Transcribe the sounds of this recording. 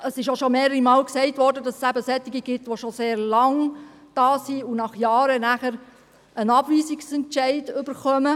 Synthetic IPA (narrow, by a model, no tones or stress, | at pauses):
əsɪʃjoʃomeːɾəɾimɑːlksɛɪtʋɔɾdədɑsəsæbəsɛt̪ɪɡəɡɪtʋoʃoseːɾlɑŋ | d̥ɑːsiunɑχjɑːɾənæχəɾ | ənɑb̥ʋiːzɪksɛntʃɛɪdʏb̥əɾχœmə